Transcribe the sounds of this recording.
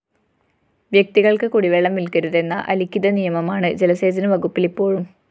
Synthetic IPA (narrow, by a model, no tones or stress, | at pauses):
ʋjɐk̚t̪iɣɐɭkɨkuɽiʋeɭːɐmʋilkɐɾuðe̞nːɐ̰ʔɐlikʲːiðɐnijɐmɐmaːɳɨd͡ʑelɐse̞ːd͡ʑɐnɨʋɐɣupːilipːo̞ːɻum